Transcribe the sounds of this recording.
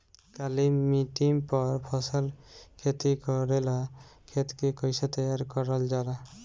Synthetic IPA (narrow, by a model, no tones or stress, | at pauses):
kalimiʈiŋpɔɾpʰɔsɔlkʰet̪ikɔɾelakʰet̪kikɔjsat̪ɔjaɾkɔɾɔld͡ʒala